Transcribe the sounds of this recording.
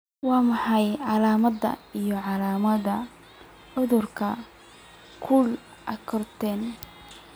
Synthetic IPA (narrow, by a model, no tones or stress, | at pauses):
wɑːmɑħɑjʕɑlaːmɐðɐ̰ijɔʕɑlaːmɐðɐ | ʕʊðʊrkʰɐ | kʰʊl | ʔɐkʰɔrt̪ʰɛːn